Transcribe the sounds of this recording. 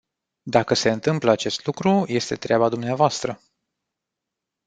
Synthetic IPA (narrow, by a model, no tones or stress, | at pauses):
d̪akəse̞ɨnt̪ɨmpləat͡ʃe̞st̪lukɾuje̞st̪e̞t̪ɾeabad̪umneavoast̪ɾə